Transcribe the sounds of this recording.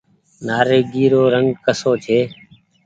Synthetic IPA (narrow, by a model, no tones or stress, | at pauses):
naːɾeːɡiːɾoːɾəŋɡkəsoːt͡ʃʰeː